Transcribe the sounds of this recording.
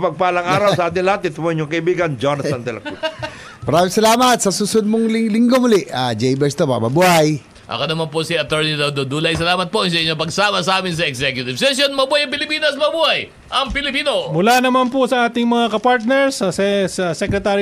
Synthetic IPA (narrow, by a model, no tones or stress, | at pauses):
pɐɡ̚palɐŋʔaːɾɐwsɐaːd̪ɪlat̪ɪt̪poɲʊŋkɐɪbiːɡɐnd͡ʒonɐsɐnt̪ɛlɐkut̪ | mɐɾaːmɪ̃ŋsɐlaːmɐt̪̚sɐsusod̪̚moŋlɪŋlɪŋɡo̞hʊlɛʔad͡ʒɛjbɛɹst̪opɐ̰mɐbuaj | ʔɐ̰konɐmanposiɐt̪ɛɹnid̪od̪od̪uːlɐjs̬ɐlaːmɐt̪̚pojŋs̬ɐʔɪɲːopɐɡsaːmɐsɐʔaːmɪns̬ɐɛɡsɛkjʊt̪ɪvsɛsjonmɐbuajɐŋpɪlɪpiːnɐsmɐbuːhaj | ʔɐŋpɪlɪpiːno̞mʊlanɐmanposɐʔaːt̪ɪŋmɐŋakɐpaɹt̪̚nɛɹsɐsɛsɐsɛkɾɛt̪aː